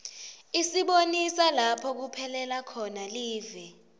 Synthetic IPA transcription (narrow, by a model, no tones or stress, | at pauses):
isiɓonisalapʰɔk̬upʰɛlɛlakʰɔnaliːvɛ